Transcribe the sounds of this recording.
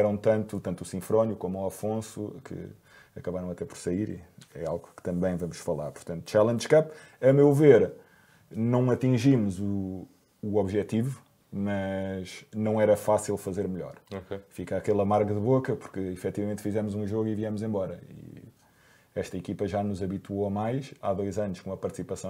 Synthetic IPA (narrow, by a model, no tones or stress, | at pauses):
ɛɾɐ̃t̪ɐ̃nt̪ut̪ɐ̃nt̪usĩfɾonjukomuɐfõsukʰɨ̰ | ɐkɐβaɾɐ̃w̃ɐt̪ɛpɔɾsɐiɾḭɛ̰alˠɣukɨ̥t̪ɐ̃mbɐ̃j̃vɐmuʃfɐlˠa̰ɾpuɾt̪ɐ̃nt̪u̥t͡ʃɛlˠɐ̃nd̪ʒʃkɐp | ɐmewveɾ | nɐ̃w̃ɐt̪ĩʒimuzuː | ɔβʒɛt̪ivu | mɐʃnɐ̃w̃ɛɾɐfasilˠfɐzeɾmʎɔ̰ɾoefikakɛlˠɐmaɾɣɐðɨβokɐpuɾkɨifɛt̪ivɐmẽnt̪fizɛmuzũʒoɣiviɛmuzẽmbɔɾɐḭ | ɛʃt̪ɐikipɐʒanuzɐβit̪woɐmajʃa̰ðojzɐnuʃkõumɐpɐɾt̪sipɐsɐ̃w̃